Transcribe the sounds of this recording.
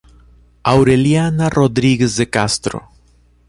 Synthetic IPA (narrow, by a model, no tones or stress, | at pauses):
awɾeljanarʔoðɾiɣezðekast̪ɾo̰